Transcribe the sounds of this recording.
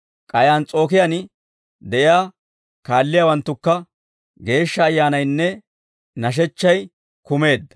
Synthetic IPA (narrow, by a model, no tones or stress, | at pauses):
kʼɐjaːnt͡sʼo̞ːkɪjɐn | d̪ɛʔɪjaː | kaːlːɪjaːwɐnt̪ːʊkːɐ | ɡe̞ːʃːɐːjːaːnɐjnːɛ | nɐʃ̬ɛt͡ʃːɐj | kʊme̞ːd̪ːɐ̥